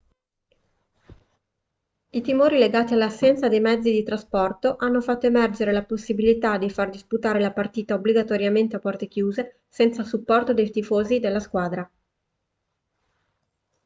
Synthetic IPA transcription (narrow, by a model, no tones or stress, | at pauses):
it̪imoːɾileɡaːt̪ialːasːɛnt̪sad̪ejmɛd̪zːid̪it̪ɾaspɔrt̪oʔanːofat̪ːoemɛrd͡ʒeɾelaposːibilit̪ad̪ifard̪isput̪aːɾelapart̪iːt̪aobliɡat̪oɾjament̪eapːɔrt̪ekjuːze | sɛnt̪sasupːɔrt̪od̪ejt̪ifoːzid̪elːaskwaːd̪ɾa